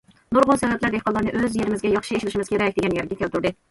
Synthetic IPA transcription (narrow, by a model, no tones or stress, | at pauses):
noɾʁʊnsɛvæplæɾd̪eqɑlˠːɑɾnɨʔøzjeɾɪmɪzɡʲɛjɑχʃieʃɪlɪʃɪmɪz̥kʲʰeɾɛk̚ʲd̪eɡʲɛnjæɾɡʲɛkʲʰɛlt̪uɾd̪ɨ